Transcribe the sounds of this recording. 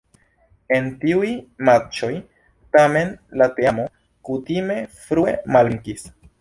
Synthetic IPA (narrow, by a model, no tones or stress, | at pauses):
e̞ntiujmat͡ʃo̞j | tame̞nlateamo̞ | kutime̞fɾue̞̰maliŋkis